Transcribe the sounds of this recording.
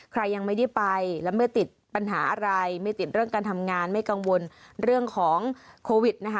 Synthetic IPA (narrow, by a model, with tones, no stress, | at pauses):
kʰɾa˧jːa˧ŋma˥˩jda˥˩jpa˧jlɛː˦˥ma˥˩jt̪i˨˩t̪̚pa˧nɦaː˩˦ʔa˧ɾa˧jma˥˩jt̪i˨˩t̪̚ɾɯ˥˩əŋkaː˧nt̪ʰa˧mŋaː˧nma˥˩jka˧ŋwo˧n | ɾɯ˥˩əŋkʰɔː˩˦ŋkʰoː˧wi˨˩t̪̚na˦˥kʰa˦˥